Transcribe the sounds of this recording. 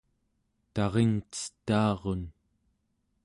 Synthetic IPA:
t̪ɑʁeŋt͡sə̥t̪ːaːʁon

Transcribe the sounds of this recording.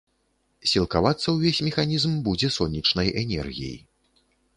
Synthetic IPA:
sʲilˠkavat̪sːɐwvʲesʲmʲɛxanʲizmbud͡zʲɛsɔnʲːit͡ʂnɐjʔɛnʲɛ̰rɣʲḭjḭ

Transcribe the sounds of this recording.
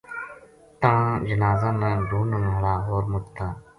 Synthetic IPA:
t̪ãːd͡ʒənaːzãːnãːɡʱuːnəŋːɽaːɦoːɾmʊʈt̪ʰaː

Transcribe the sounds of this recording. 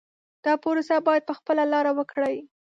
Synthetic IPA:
d̪̥ɑpoɾosabɑjad̪̚pəxpəlalɑɾawəkɽəj

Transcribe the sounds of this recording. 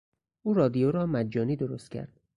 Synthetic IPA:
ʔuːɾɒːd̪ijoɾɒːmæd͡ʒːɒːniːd̪oɾost̪̚cʲʰæ̰ɾd̪̥

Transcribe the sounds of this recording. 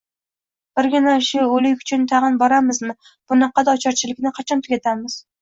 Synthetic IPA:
b̥ɪɾɡʲɪnaʃʊolɪkʲʊ̥t͡ʃʰʊnt̪ʰaʁɨnbɒɾamɪzmɪ | b̥ʊnɑqːɑd̪aːt͡ʃʰɒɾt͡ʃʰɪlɪkʲnɪqʰɑt͡ʃʰɒnt̪ʰʊɡʲat̪ʰamɪz̥

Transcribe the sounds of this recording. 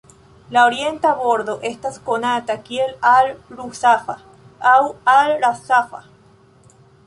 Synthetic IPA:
laoɾjent̪aaβoɾðoʔest̪askonat̪akjelalɾusafa | awalɾasafa̰

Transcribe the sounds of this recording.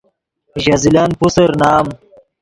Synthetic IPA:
ʑazilaːnpusɐɾnaːm

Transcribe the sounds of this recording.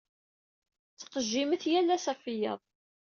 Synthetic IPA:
t͡sːə̥qəʒːiməθjælːæsæfijə̰ðˤ

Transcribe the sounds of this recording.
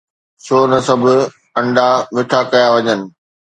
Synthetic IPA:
soːnɐsɐbʱʊ̆ | ɐ̃ɳɖamɪʈʰakɐjaʋɐɲənɪ̆

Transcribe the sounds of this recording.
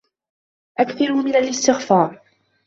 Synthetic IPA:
ʔakθɑɾmɪnalɪst̪ɪɣfɑːɾˤ

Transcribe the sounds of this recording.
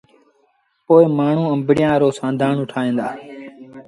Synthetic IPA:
poːɪmaːɳ̤ũːəmbɽɪjãːɾoːsãːnd̪ʱaːɳʊʈʰaːẽːnd̪aː

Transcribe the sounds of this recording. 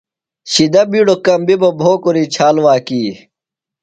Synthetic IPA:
ɕid̪ɐbiːɽokɐmbibɐbʱoːkoɾiːt͡ɕʰaːlwaːkiː

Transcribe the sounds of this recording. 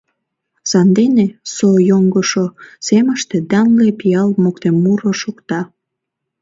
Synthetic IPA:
sɑnd̪enesojoŋɡoʃoseməʃt̪ed̪ɑnlepiɑlmokt̪emmuɾoʃukt̪ɑ

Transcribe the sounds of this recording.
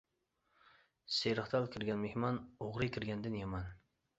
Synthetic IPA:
seɾɨχt̪ʰɑlˠkʲʰɪɾɡʲanmehmɒnoʁɾɪkʲʰɪɾɡʲand̪ɪnjaman

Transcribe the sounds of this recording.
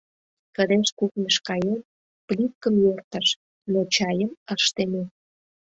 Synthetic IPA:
kəd̪eʃkuknəʃkɑjem | plʲitkəmjørt̪ə̆ʃ | not͡ɕɑjəməʃt̪ene

